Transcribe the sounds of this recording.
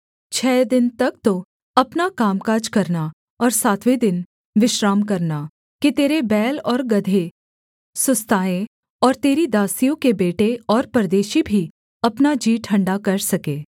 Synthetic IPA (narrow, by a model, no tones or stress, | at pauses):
t͡ʃʰɛːd̪ɪnt̪ɐkt̪o | ɐpnakaːmkaːd͡ʒkɐɾna | ɔːɾsaːt̪ʰʋed̪ɪn | ʋɪʃɾaːmk̬ɐɾna | kit̪eːɾebɛːlɔːɾɡɐd̪ʱe | sʊst̪aːẽ | ɔːɾt̪eːɾid̪aːsijõkebeːʈeɔːɾpɾd̪eːʃibʱi | ɐpnad͡ʒiːʈʰɐ̃ɳɖakɐɾsɐkeː